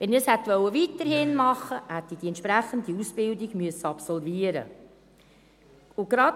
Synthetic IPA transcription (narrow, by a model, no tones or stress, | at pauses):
ʋɛnəshɛt̪ʋœwːəvitəɾhɪnmɑχəhæt̪ːid̥iɛnt̪ʃpɾæχəndiusb̥ɪldiɡ̥myəsːəɑpsɔlviəɾə̰ | ʊɡ̥ɾɑ